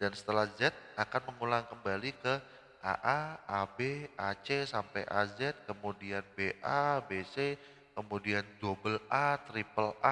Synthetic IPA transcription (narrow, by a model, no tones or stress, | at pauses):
d̥ansə̥t̪əlahzɛt̪̚akanməŋulaŋkəmbalikə | ʔa̰ʔaʔabeʔat͡ʃesampa̰jʔa̰zɛt̪̚kəmudianbeʔabese | kəmudiand͡ʒobəlʔat̪ɾipəlʔa